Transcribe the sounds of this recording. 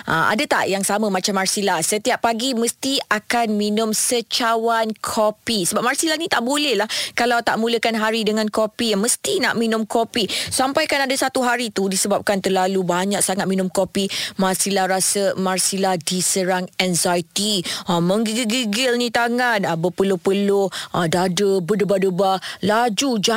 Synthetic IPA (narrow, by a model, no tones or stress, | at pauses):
ʔa̰a̰dat̪a̰ʔjaŋsaməmat͡ʃamːarsilasət̪iap̚ːaɡiməst̪iakanminʊmsət͡ʃawankʰopisəbap̚marsilanit̪aʔbolɛhlahkalawt̪aʔmũləkanɦaɾidəŋãnkopiaməst̪inaʔminʊmkopisampajkanadasat̪uɦaɾit̪udisəbap̚kant̪ərlalubaɲak̚saŋat̪̚minʊmkopimarsilahɾasəmarsilahdisəɾaŋɛnzajt̪iamə̃ŋɡiɡiɡiɡɪlnĩt̪aŋanabəpəlopəloʔadadəbədəbadəbalad͡ʒud͡ʒa